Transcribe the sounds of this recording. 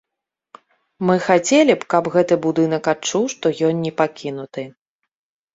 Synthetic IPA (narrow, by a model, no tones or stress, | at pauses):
mɨxat͡sʲelʲipkɐpɣɛt̪ɨbud̪ɨn̪ɐkat͡ʂuwʂt̪ɔjɔnnʲɛpakʲʰinut̪ɨ